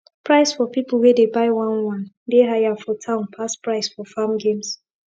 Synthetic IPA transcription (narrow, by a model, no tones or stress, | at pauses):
pɹaɪsfɔpipl̩ˠwɛdebaɪwãnwãn | deɦajafɔtʰãʊ̃npʰaspɹaɪsfɔfamɡẽms